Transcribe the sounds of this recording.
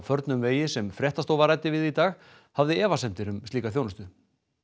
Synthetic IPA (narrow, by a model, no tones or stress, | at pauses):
fœɾt̪nʏmveːjɪsɛmfɾjɛht̪ast̪owvaɾaːjt̪ɪvɪðit̪aːɣ | havðɪɛːvasɛmt̪ɪɾʏmt̪iːkaθjownʏst̪ʏ